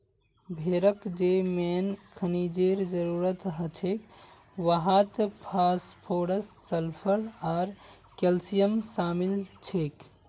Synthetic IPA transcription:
bʱeɾəkd͡ʒemenkʰənid͡ʒeɾd͡ʒəɾuɾət̪ɦət͡ʃʰek | ʋaɦat̪pʰaspʰoɽəsːəlpʰəɾaːɾ | kelsijəmsaːmilt͡ʃʰek

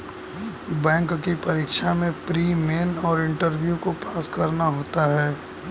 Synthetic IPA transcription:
bɛ̃ːŋkkipɐɾiːkʃamẽpɾiːmeːnɔːɾɪ̃ɳʈəɾbjukopaːskɐɾnaɦoːt̪aɦɛː

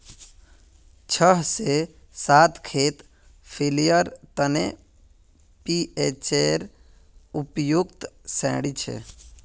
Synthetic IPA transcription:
t͡ʃʰəɦse | sat̪kʰet̪ | pʰilijəɾt̪əne | piet͡ʃeɾ | upjukt̪sɛ̰̃ɽit͡ʃʰḛ

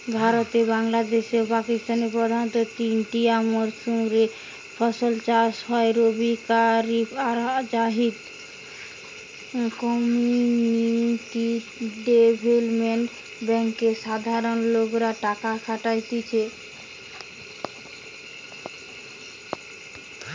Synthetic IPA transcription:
bʱaɾot̪ebaŋlad̪eʃeopakist̪anepɾod̪ʱant̪ot̪inʈiamoɾsumɾe | pʰɔsolt͡ɕaʃɦɔeɾobʱikaɾiad͡ʒaɦid̪ | kɔmiuniʈi | ɖebʱelmeɳʈ | bɛŋkeʃad̪ʱaɾonlokɾaʈakakʰaʈajt̪et͡ɕʰe

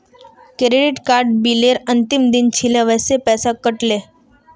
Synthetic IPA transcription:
kɾeɖiʈkaɾɖ̚bileɾənt̪imd̪int͡ɕʰilẽʋəjsepɛsakəʈle

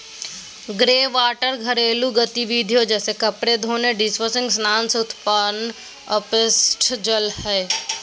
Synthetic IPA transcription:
ɡɾeːʋaːʈəɾɡʱəɾeːluɡət̪iʋid̪ʱjod͡ʒɛːsekəpɾed̪ʱoːneɖɪsʋəsɪ̃ŋɡsnaːnsʊt̪pan | əpɪsʈd͡ʒəlhɛː

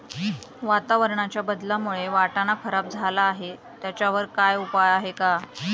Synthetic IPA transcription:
ʋat̪aʋəɾɳat͡ɕjabəd̪lamuɭeʋaʈanakʰəɾap̚d͡zʱalaːɦe | t̪jat͡ɕjaʋəɾkajupajaɦeka

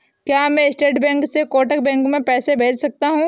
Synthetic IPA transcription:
kjaːmɛ̃ɪsʈeːʈbɛ̃ːŋksekoːʈək̚bɛ̃ːŋkmẽpɛːsebʱeːt͡ʃsɐk̚t̪aɦũː

